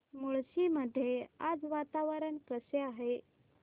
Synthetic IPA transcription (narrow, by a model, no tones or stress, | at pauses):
moɭɕiməd̪ʱːea̰d͡zʋat̪aʋəɾəɳkəseaɦe